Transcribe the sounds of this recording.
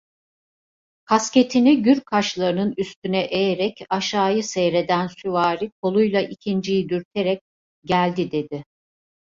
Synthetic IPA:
kʰasce̞t̪ʰiniɟyɾkʰaʃlˠaɾɯnɯnyst̪ynɛʔejeɾɛcaʃaːjɯsɛjɾe̞d̪ænsyvaːɾikʰo̞lˠujlˠaʔicʰind͡ʒijid̪yɾt̪ʰe̞ɾɛc̚ | ɟælʲd̪id̪e̞d̪ɪ

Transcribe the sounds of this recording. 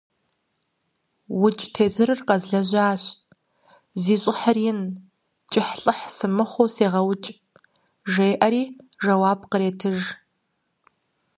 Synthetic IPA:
wʊt͡ʃʼtʰeːzɨɾɨrqɐzɮɐʑʷaːɕʼ | ziːɕʼɪħərɪn | t͡ʃʼɪħɬʼɨħsɨmɨχʷowseːʁɐwt͡ʃʼ | ʒejʔɐɾiːʒɐwaːbqəɾeːtʰɨʒ

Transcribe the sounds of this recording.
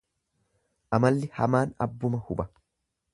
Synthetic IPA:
ʔɐmɐlːɪhɐmaːnɐ̰bːʊmɐhʊbɐ

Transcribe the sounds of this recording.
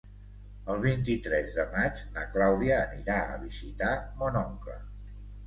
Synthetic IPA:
əlˠβ̞int̪it̪ɾɛzðəmad͡ʒnəklawðiəːniɾaə̰β̞izit̪amonɔŋklə̰

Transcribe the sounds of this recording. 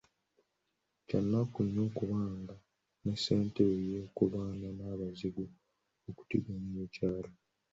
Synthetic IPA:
canːakuɲːoːkuβaːŋɡa | nesːe̞ːntejekuβaːnanaːβaziɡu | oku̥tḭɡamujecaːlo

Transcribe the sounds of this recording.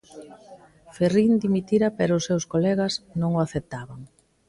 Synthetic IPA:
ferind̪imit̪iɾapɛɾʊsːewskolɛɣɐsnõŋoaθep̚t̪aβaŋ

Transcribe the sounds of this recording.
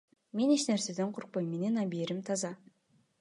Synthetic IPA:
me̞neʃneɾse̞d̪e̞ɴqʰʊɾq̚pojme̞nenɑbieɾimt̪ʰɑzɑ

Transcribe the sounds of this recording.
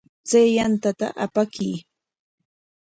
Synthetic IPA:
t͡sajjant̪at̪a̰ʔapakiː

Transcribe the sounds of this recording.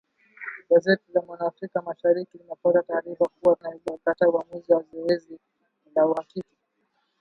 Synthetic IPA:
ɡazɛtilamwanaːfɾikamaʃaɾikilinɛpatataːɾifakuwatunaizakatauamuziwazɔɛzi | lauhakiki

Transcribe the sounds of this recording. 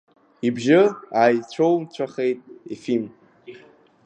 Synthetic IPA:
ibʒɪajt͡ɕʷʰowt͡ɕʷʰaχejtʼifim

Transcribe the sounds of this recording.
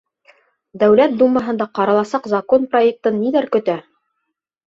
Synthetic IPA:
d̪æwlæt̪̚d̪umːɑɦɤ̆nd̪ɑqɑɾɑlˠɑsɑqzakonprojek̚t̪ɤnːilæɾkɵ̆t̪æ

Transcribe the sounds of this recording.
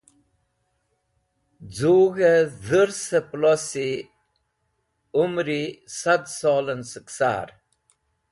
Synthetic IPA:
d͡zuːɣeðəɾsəplosi | umɾisad̪solənsəksa̰ːɾ

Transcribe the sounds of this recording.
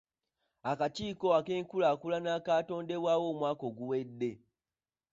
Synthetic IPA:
akaciːko̞ake̞ːŋkulaːkulanaːkaːto̞ːnde̞βwaːwo̞mwaːko̞ɡuwe̞dːe̞

